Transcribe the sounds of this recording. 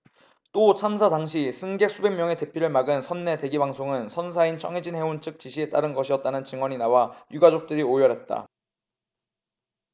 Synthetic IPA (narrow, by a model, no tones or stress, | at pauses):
t͈ot͡ɕʰamsʰadaŋɕʰisʰɯnɡe̞k̚s͈ʰube̞ŋmjʌŋe̞te̞pʰjiɾɯɭmaɡɯnsʰʌnːe̞te̞ɡibaŋsʰoŋɯnsʰʌns̬ʰaint͡ɕʰʌŋed͡ʑinɦe̞ont͡ɕʰɯk̚t͡ɕ͈iɕʰie̞t͈aɾɯnɡʌɕʰiʌt̚t͈anɯnt͡ɕɯŋwʌɲinawajuɡad͡ʑok̚t͈ɯɾiojʌɾɦet̚t͈a̰